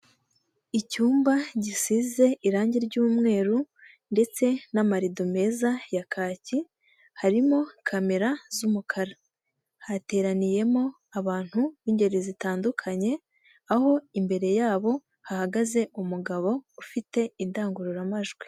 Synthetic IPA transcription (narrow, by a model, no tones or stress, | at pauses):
icuːmbaɟisize̞ʔiɾaːɲɟiɾɟuːmŋe̞ːɾu | nde̞t͡se̞namaɾidome̞zajakʰaːci | haɾimo̞kʰame̞ɾazumukʰaɾa | hate̞ːɾanije̞mo̞ | aβaːn̥huβiːɲɟe̞ɾezitaːndukʰaɲe̞ | aho̞imbe̞ɾe̞jaːβo̞ | hahaɡaze̞umuɡaβo̞ufite̞indaːŋɡuɾuɾamaʒɡwe̥